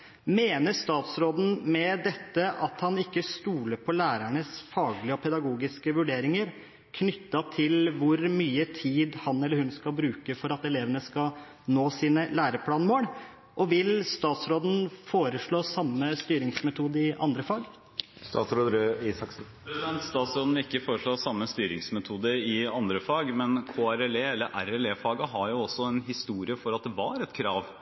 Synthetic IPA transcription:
meːnəst̪ɑːt̪sɾoːd̪n̩mɛd̪ɛt̪ːəʔɑt̪hɑnɪkːəst̪uːləɾpʰɔlæːɾæɳəsfɑːɡlɪəɔpʰɛd̪ɑɡuːɡɪskəʋʉɖeːɾɪŋəɾ | kʰnʏt̪ːɑt̪ʰɪlʋʊɾmyːət̪ʰiːd̪hɑnɛləhʉnskɑbɾʉːkəfɔɾɑt̪ɛleːʋənəskɑ | noːsiːnəlæːɾəpʰlɑːnmoːɽ | ʔɔʋɪlst̪ɑːt̪sɾoːd̪n̩foːɾəʂɭoːsɑmːəst̪yːɾɪŋsmɛt̪ʰuːd̪əɪʔɑ̰nd̪ɾəfɑɡ | st̪ɑ̰ːt̪sɾoːd̪ɾiːsɑk | pʰɾɛsɪd̪ɛnt̪st̪ɑːt̪sɾoːd̪n̩ɪlɪkːəfoːɾəʂɭoːsɑmːəst̪yːɾɪŋsmɛt̪ʰuːd̪əɾɪɑnd̪ɾəfɑɡmɛnkʰoːæɾɛleːɛlːəɾʔæɾɛleːfɑːɡəɦɑɾjʊɔsːɔɛnɦɪst̪uːɾɪəfɔɾɑt̪̚d̪ɛʋɑɾɛt̪kʰɾɑːʋ

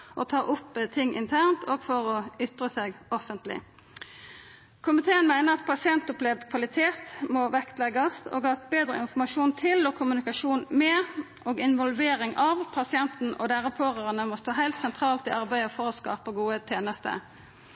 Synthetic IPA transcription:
ʔɔt̪ʰɑːʔʊpːt̪ʰɪŋʔɪ̰nt̪ʰæʁnt̪ʰoːɡfɔʁɔʏt̪ʁəseːɡɔfənt̪lɪ̰ | kʰʊmɪt̪ʰeːənmæɪnəʁɑt̪̚pʰɑsɪɛnt̪ʊplɛʋd̪kʰʋɑlɪt̪ʰeːt̪mɔʋɛkt̪lɛɡɑst̪o̰ːɡɑt̪̚beːd̪ʁəɪnfɔmɑʂuːnt̪ʰɪlɔkʰʊmʉnɪkɑʂuːnmɛ | ʔoːɡɪnʋɔlʋeːɾɪŋʔɑʋpʰɑsɪɛnt̪n̩ɔ̰d̪æʁəpʰoːʁəʁənəmɔst̪oːɦæɪlt̪sɛnt̪ʰʁɑːlt̪ɪʔɑʁbæɪəfɔɾɔskɑ̰ːpəɡuːət̪ʰeːnəst̪ə̰

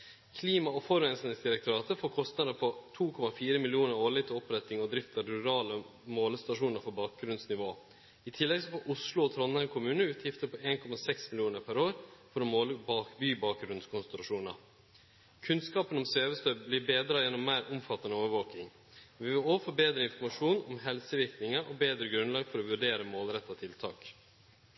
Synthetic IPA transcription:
kʰliːmɑɔfɔɾɛnsnɪŋsd̪ɪɾɛkt̪ʊɾɑːt̪ʰəfoːkʰɔst̪nɑd̪əpʰɔt̪ʰuːkʰɔmɑfiːɾəmɪlɪuːnəɾoːɭɪt̪ʰɪɔpɾɛt̪ːɪŋɔd̪ɾɪft̪əɾʉɾɑːləmoːləst̪ɑʂuːnəɾfɔɾbɑːk̚ɡɾʉnsnɪʋoː | ɪt̪ʰɪlːɛɡsɔfɔʔʊslʊɔt̪ʰɾɔnːæɪkʰʊmʉːnəʉːt̪ʰjɪft̪əpʰɔeːnkʰɔmɑsɛksmɪljuːnəɾpʰæɾoːɾfɔɾɔmoːləbɑːkbyːbɑːk̚ɡɾʉnskʰʊnsnɾʊʂuːnə̰ɾ | kʰʉnskɑːpənɔmsøːʋəst̪œbblɪbeːd̪ɾɑjɛnːɔmːæɪɾʊmfɑt̪ːɑnəoːʋəʋoːkɪŋ | ʋɪʋɪloːfɔbeːd̪ɾəɪnfɔɾmɑʂuːnɔmɦɛlsəʋɪɾknɪŋəʔɔbeːd̪ɾəɡɾʉnlɑːɡfɔɾɔʋʉɖeːɾəmoːlɾɛt̪ːɑt̪ʰɪlt̪ʰɑ̰ːk

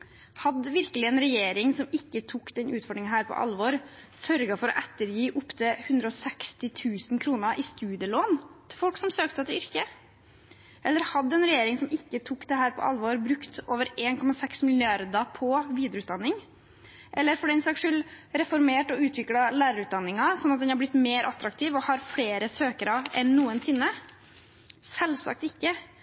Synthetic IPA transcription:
hɑd̪əʋɪɾkəlɪɛːnɾɛjeːɾɪŋsɔmɪkːət̪ʰuːkd̪ɛnʔʉːt̪fɔɖɳnɪŋɦæːɾpʰɔ̰ʔɑ̰lʋoːɾ | sœɾɡɑfɔɾɔ̰ʔɛt̪ːəɾjiːʔʊpt̪ʰəhʉnd̪ɾəɔːsɛkst̪ɪt̪ʰʉːsn̩kʰɾuːnəʔɪst̪ʉːd̪ɪjəloːnt̪ʰɪlfɔlksɔmsøːk̚t̪əɛt̪ʏɾkə | ʔɛlːəɾhɑd̪ːəɛnɾɛjeːɾɪŋsɔmɪkːət̪ʰuːkd̪ɛhæːɾpʰɔ̰ʔɑ̰lʋoːɾbɾʉkt̪oːʋəɾeːnkʰɔmɑsɛksmɪlɪɑɾd̪ɑpʰɔʋiːd̪ɪʊʉt̪̚d̪ɑnːɪŋ | ʔɛlːəɾfɔɖiːɛnsɑkʂʉlɾɛfɔɾmeːʈɔʉːt̪ʰʋɪklɑlæːɾəɾʉːt̪̚d̪ɑnːɪŋɑsɔnːɑt̪̚d̪ɛnhɑɾblɪt̪meːɾʔɑt̪ɾɑk̚t̪ʰiːʋɔhɑɾfɽeːɾəsøːkəɾɑʔɛnːuːənsɪnːə | sɛlsɑ̰k̚t̪ɪkːə

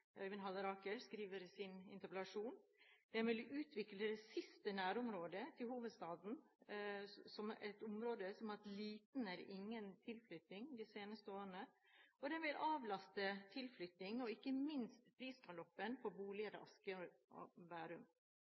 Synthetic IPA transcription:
œʋənɦɑlːəɾɑːkəɾskɾiːʋəɾsɪnɪnt̪əɾpɛlɑʂuːnd̪ɛnʋɪlʉːt̪ʰʋɪkləd̪ɛsɪst̪ənæːɾʊmɾoːd̪ət̪ʰɪlhuːʋəd̪st̪ɑːd̪n̩ | sɔmɛ̰t̪ʊmɾoːd̪əsɔmɑt̪liːt̪n̩æɾɪŋːənt̪ʰɪlflʏt̪nɪŋd̪ɪseːnəst̪əoːɾənə | ɔd̪ɛnʋɪlɑːʋlɑst̪ət̪ʰɪlflʏt̪nɪŋɔɪkːəmɪnst̪pʰɾiːskɑlɔpːənpʰɔbuːlɪəɾə̰ʔɑskə̰ | ʋæːɾʉm

